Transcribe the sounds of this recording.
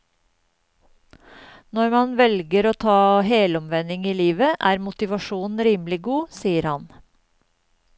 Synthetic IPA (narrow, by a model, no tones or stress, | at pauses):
nɔɾmɑnʋɛlɡəɾoːt̪ʰɑːɦeːlɔmʋɛnɪŋiːliːʋəʔæːɾmʊt̪ɪʋɑʃuːnn̩ɾiːmlɪɡuːsiːəɾhɑn